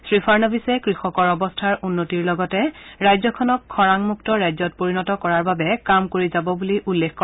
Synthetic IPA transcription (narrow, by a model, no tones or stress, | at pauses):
sɹipʰaɹnɔbisɛkɹixɔkɔɹɔbɔstʰaɹʔunːotiɹlɔɡɔtɛɹajzɔkʰɔnɔkʰːɔɹaŋmuktɔɹajzɔt̚poɹinɔtɔkɔɹaɹbabɛkamkoɹizabɔbuliʔulːekkːɔ